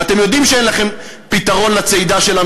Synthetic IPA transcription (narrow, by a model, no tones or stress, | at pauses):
at̪e̞mjo̞d̪imʃee̞nlaχe̞m | pit̪aʁo̞nlat͡sejd̪aʃe̞la